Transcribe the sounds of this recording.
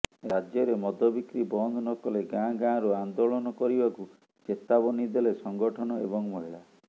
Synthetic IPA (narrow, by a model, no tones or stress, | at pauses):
ɾad͡ʒjɔɾemɔd̪ʱɔbikɾibɔnd̪nɔkɔleɡãɡãɾuand̪oɭɔnɔkɔɾibaku | d͡ʒet̪abɔnid̪elesɔŋɡɔʈʰɔnɔḛbɔŋmɔɦiɭa